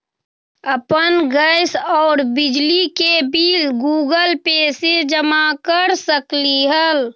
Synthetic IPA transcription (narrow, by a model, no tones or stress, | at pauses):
əpənɡəɪsɔːɾbɪd͡ʒlikebiːlɡuːɡəlpeːsed͡ʒəmakəɾsəkliɦəl